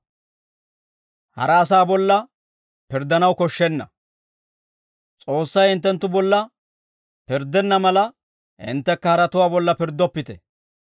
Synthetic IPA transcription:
hɐ̰ɾɐːs̬aːbɔlːɐ | pɪɾd̪ɐnɐwkɔʃːɛnːɐ | t͡sʼo̞ːsːɐjɪnt̪ːɛnt̪ːʊbɔlːɐ | pɪɾd̪ɛnːɐmɐlɐ | ʔɪ̰nt̪ːɛkːɐhɐɾɐt̪ʊwaːbɔlːɐpɪɾd̪ːɔpːɪt̪ɛ

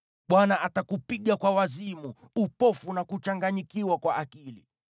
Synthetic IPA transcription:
ɓwanaʔatakupiɠakwawazimu | upɔfunakut͡ʃaŋɡaɲikiwakwaʔakilḭ

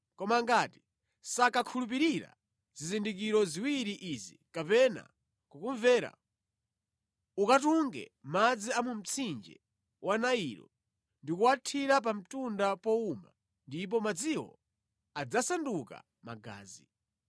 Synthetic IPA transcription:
kɔmaŋɡati̥ | sakakʰulup̬iɾiɾa̰ | z̥izindik̬iɾɔziwiɾiʔizḭkapɛna̰ | kukuɱvɛːɾa̰ | ukat̬uŋɡɛ̰mad͡ziamum̩t͡sʰind͡ʒɛ̰ | wanaiɾɔ̰ | ndikuwatʰiɾap̬am̩tundapɔuma̰ | ndip̬ɔmad͡ziwɔ̰ | ad͡zasanduka̰ | ma̰ɡa̰ːzi

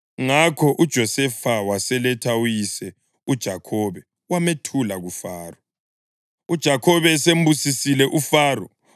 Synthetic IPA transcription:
ŋakʰɔʔud̥ʒ̥ʱɔsɛfawasɛlɛtʰaujisɛ | ud̥ʒ̥ʱakʰɔβɛ | wametʰulaɣufaːrɔ | ud̥ʒ̥ʱakʰɔβɛsembusisilɛʔufaːrɔ

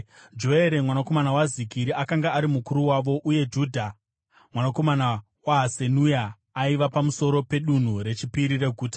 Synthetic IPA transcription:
d͡ʒo̞e̞ɾe̞mwanako̞manawazikiɾiakaŋɡaːɾimukuɾuwaʋo̞ʔuje̞d͡ʒuːdʱa | mwanako̞mana | waɦase̞nujaː | iʋapamuso̞ɾo̞pe̞ɗun̤uɾe̞t͡ʃipiɾire̞ɡʱuːtḁ

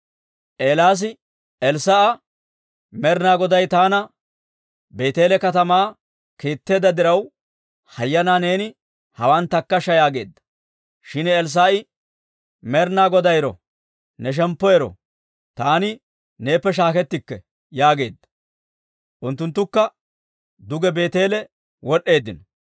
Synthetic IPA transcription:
ʔe̞ːlaːs̬ɪ | ɛlsaʔɐ | mɛɾnaːɡɔd̪ɐjt̪aːnɐ | be̞ːt̪e̞ːlɛkɐt̪ɐmaː | keːt̪ːe̞ːd̪ɐd̪ɪɾɐw | hɐjːɐnaːne̞ːnɪ | hɐwant̪ːɐkːɐʃɐjaːɡe̞ːd̪ːɐ̥ | ʃɪnɛls̬aːɪ | mɛɾnaːɡɔd̪ɐjɾɔ̰ | nɛʃ̬ɛmpːɔjɛɾɔ̰ | t̪aːnɪ | ne̞ːpːɛʃ̬aːkɛt̪ːɪkːɛ | jaːɡe̞ːd̪ːɐ̥ | ʔʊnt̪ːʊnt̪ːʊkːɐ | d̪ʊɡɛbe̞ːt̪e̞ːlɛ | wɔɗːe̞ːd̪ːɪnɔ

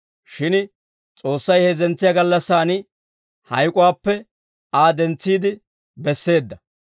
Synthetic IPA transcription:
ʃɪn | t͡sʼo̞ːsːɐjhezɛnt͡sːɪjaɡɐlːɐsːaːnɪ | hɐjkʼʊwaːpːɛ | aːd̪ɛnt͡sːiːd̪ɪ | bɛsːe̞ːd̪ːɐ

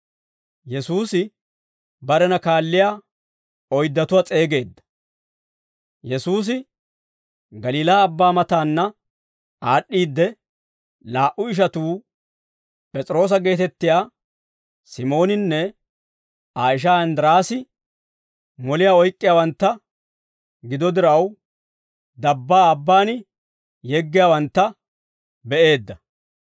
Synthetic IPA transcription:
jɛsuːsɪ | bɐɾɛnɐkaːlːɪjaː | ɔjd̪ːɐt̪ʊwɐt͡sʼe̞ːɡe̞ːd̪ːɐ̥ | jɛsuːs̬ɪ | ɡɐliːlaːbːaːmɐt̪aːnːɐ | aːɗːiːd̪ːɛ | laːʔʊɪʃ̬ɐt̪uː | pʼɛt͡sʼɾo̞ːs̬ɐɡe̞ːt̪ɛt̪ːɪjaː | sɪmo̞ːnɪnːɛ | aːɪʃ̬aɐnd̪ɾaːsɪ | mɔlɪjaːɔjkʼːɪjaːwɐnt̪ːɐ | ɡɪd̪ɔd̪ɪɾɐw | d̪ɐbːaːɐbːaːnɪ | jɛɡːɪjaːwɐnt̪ːɐ | bɛʔe̞ːd̪ːɐ

